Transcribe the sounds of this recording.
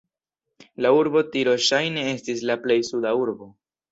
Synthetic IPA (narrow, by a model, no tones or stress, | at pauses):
lauɾbo̞tiɾo̞ʃajne̞e̞stislaple̞jsudauɾbo̞